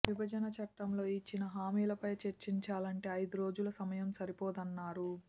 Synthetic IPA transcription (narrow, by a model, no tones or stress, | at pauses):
ʋibɐd͡ʒɐnɐt͡ʃɐʈːɐmlo̞ːit͡ʃːinɐɦaːmiːlɐpɐjt͡ʃeɾt͡ʃiɲt͡ʃaːlɐɳʈe̞ːɐjd̪uɾo̞ːd͡ʒulɐsɐmɐjɐmsɐɾipoːd̪ɐnːaːɾu